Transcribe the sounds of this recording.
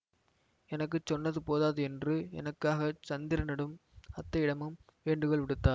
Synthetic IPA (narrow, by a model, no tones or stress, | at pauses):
ɛnɐk̬ːɯt͡ʃːɔnːɐðɯpoːðaːðɯɛndrɯɛ̰nɐkːaːɣɐt͡ʃɐnd̪ɪɾɐnɐɽɯmɐt̪ːɐɪɽɐmɯm | ʋeːɳɖɯkɔɭʋɪɽɯt̪ːaːɾ